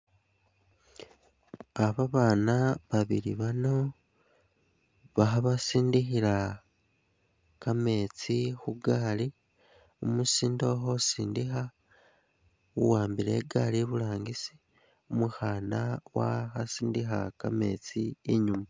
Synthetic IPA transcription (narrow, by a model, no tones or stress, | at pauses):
aβaβaːnaβaβiɾiβano̞ | βaxaβasiːndixiɾa | kame̞ːt͡sixuɡaːli | omusiːndo̞xosiːndixa | wuwaːmbiɾe̞̰ɡaliβulaːŋɡisi̥ | omuxaːnawa̰xasiːndixa̰kame̞̰ːt͡sieɲuma